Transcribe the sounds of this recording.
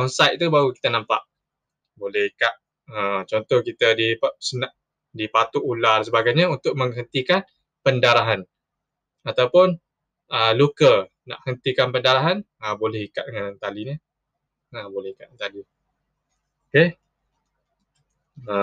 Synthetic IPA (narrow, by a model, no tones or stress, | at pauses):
ɔnsajt̪̚t̪ubaɾuki̥t̪ənãmpa̰ʔ | bolɛhikaʔ̪̚ | ət͡ʃɔnt̪ɔhkit̪ədisənaʔ | dipat̪uʔulars̬əbaɡajɲaunt̪ʊʔ̚mə̃ŋɦənt̪ikan | pəndaɾaɦan | at̪awpʊn | əlukə | na̰ʔhənt̪ikanpəndaɾaɦan | əbolɛhikaʔ̚əŋannt̪aliɲə | əbolɛhikaʔ̪̚t̪ali | oke | ə